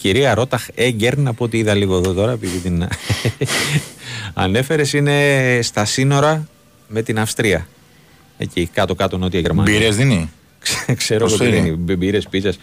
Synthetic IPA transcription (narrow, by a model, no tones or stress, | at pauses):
ciɾiɐɾo̞t̪ɐxe̞ɲɟe̞ɾnɐpoot̪iiðɐliɣo̞eðo̞t̪oɾɐe̞piðit̪in | ɐ̰ne̞fe̞ɾe̞sine̞st̪ɐsino̞ɾɐ | me̞t̪inɐfst̪ɾiɐ | e̞̰cikɐt̪o̞kɐt̪ono̞t̪ieʝeɾmɐ̰niɾezðini | kskse̞ɾoɣoiðinibbiɾespizɐs